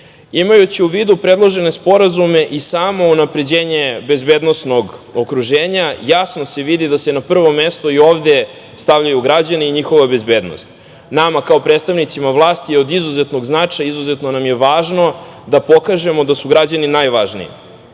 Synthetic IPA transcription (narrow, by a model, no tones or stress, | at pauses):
imajut͡ɕiuʋiːd̪upɾe̞d̪lˠo̞ʒe̞ne̞spo̞ɾazume̞ʔisaːmo̞unapɾe̞d͡ʑe̞ːɲe̞be̞zbe̞ːd̪nosno̞ɡokɾuʒeːɲajasno̞se̞ʋid̪id̪asenapr̩ʋo̞me̞st̪oio̞ːʋd̪e̞ | st̪aʋʎajuɡɾad͡ʑaneiɲixo̞ʋabe̞zbe̞ːd̪no̰st̪ | namakao̞pɾet̪st̪aʋnit̪simaʋlˠaːst̪ijeo̞d̪izuzet̪no̞ɡznat͡ʂajaizuze̞t̪no̞namje̞ʋaːʒno̞d̪apo̞kaʒe̞mo̞d̪asuɡɾad͡ʑaninajʋaʒnḭḭ